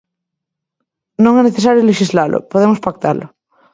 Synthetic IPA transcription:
nõŋɛneθesaɾjoleʃizlalʔʊ̰poðemospakt̪alʊ̰

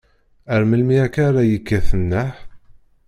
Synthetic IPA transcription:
əɾməlmiækaɾˤajəkːəθənːəħ

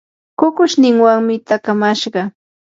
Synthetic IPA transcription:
kʊkʊʃnɪŋwaŋmɪt̪akamaʃɢɑ

